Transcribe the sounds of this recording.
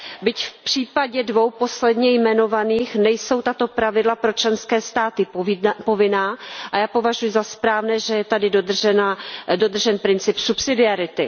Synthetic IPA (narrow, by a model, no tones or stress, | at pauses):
bɪcfpr̝̥iːpaɟɛdvo̞wpo̞slɛdɲɛjmɛno̞vaniːxnɛjso̞wt̪at̪o̞pɾavɪdlapɾo̞t͡ʃlɛnskɛːst̪aːt̪ɪpo̞vɪnaːʔajaːpo̞vaʒujɪzaspɾaːvnɛːʒɛjɛt̪adɪdod̪ɛnado̞d̪r̩ʒɛnpɾɪnt͡sɪpsupsɪdɪaɾɪt̪ɪ